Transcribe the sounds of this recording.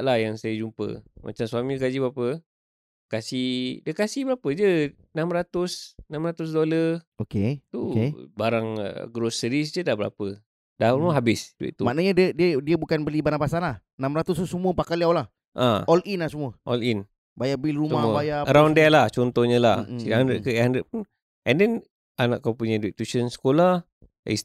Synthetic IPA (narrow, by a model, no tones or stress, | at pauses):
lahjaŋsajəd͡ʒumpə̰mʔa̰t͡ʃamsuamiɡad͡ʒibapə | əkasidəkasibəɾapəd͡ʒə | namɾat̪ʊsnamɾat̪ʊs̬doləroket̪uebaɾaŋ̰ɡɾosəɾis̬d͡ʒədahbəɾa̰pə | dahuməɦabɪsduɪ̰ʔt̪umaʔnaɲədədiədiəbukanbəlibanapasanlahənamɾat̪ʊst̪usəmuəpakaliawlah | ʔaɔlʔinasəmuəʔɔlin | bajaʔbilrumsəamubajaɾawndɛlaht͡ʃɔnt̪ɔhɲəla̰sidaɦandɾəʔkəandɾəʔpun | ʔɛndɛn | anaʔkawpuɲəduiʔt̪ut͡ʃənsə̥kola | ḭs